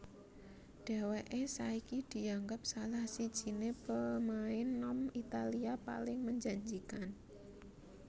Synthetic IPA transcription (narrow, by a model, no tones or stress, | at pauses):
ɖ̥ɛ̤weʔesaikid̪̥i̤aŋɡəp̚salahsid̥ʒ̥i̤nepəmaɪnːɔmit̪aliapa̰lɪŋməɲd͡ʒaɲd͡ʒikan